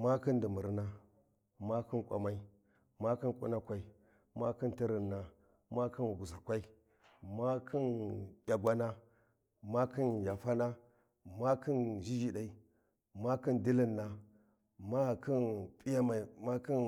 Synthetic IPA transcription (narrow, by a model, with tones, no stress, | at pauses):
ma˦ki˦ndi˨mu˨ɾna˦ | ma˦ki˦nkʷʼa̰˨ma˦i˦ | ma˦ki˦nkʼṵ˦na˦kʷa˨˦i˨ | ma˦ki˦nti˦ɾi˨nːa˨ | ma˦ki˦n˨ɡu˨sa˨kʷa˦i˦ | ma˦kʰi˦njʲa˨ɡʷa˦na˦ | ma˦ki˦nja˨fa˦na˦ | ma˦ki˦nd͡ʒi˦d͡ʒi˦ɗa˨i˨ | ma˦ki˦ndi˦li˦nːa˨ | ma˦˨ki˦npʼi˦ja˦ma˨i˨ma˦ki˦n